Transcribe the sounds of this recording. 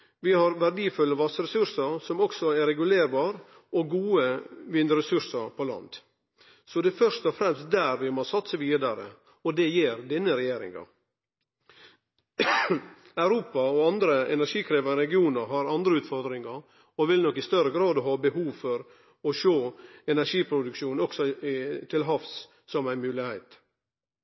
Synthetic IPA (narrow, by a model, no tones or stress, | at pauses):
ʋɪhɑɾʋæɾɖiːfʉlːəʋɑsəɾɛsʉɾsəɾsɔmɔksɔɛɾɛɡʉleːɾbɑːɾ | ɔɡuːəʋɪnd̪əɾɛsʉɾsəɾpʰɔlɑ̰nd̪ | sɔd̪ɛfœɾʂt̪ɔfɾɛmst̪̚d̪æɾʋɪmɔsɑt̪səʋiːd̪ɑɾə̰ | ɔd̪ɛjeːɾd̪ɛnːəɾɛjeːɾɪ̰ŋɑ̰ | ɑʉɾuːpɑɔɑnd̪ɾəʔɛ̰næɾʂiːkʰɾeːʋɑɾɛɡɪuːnəɾɦɑɾɑnd̪ɾəʉːt̪fɔɾd̪ɾɪŋɑɾ | ɔʋɪlnɔkːɪst̪œɾəɡɾɑːd̪ɔɦɑːbəɦuːʋfɔɾ | ɔʃoːɛnæʂiːpʰɾʊd̪ʉkʃuːnɔksɔt̪ʰɪlɦɑfs | sɔmæɪnmʉːlɪheɪt̪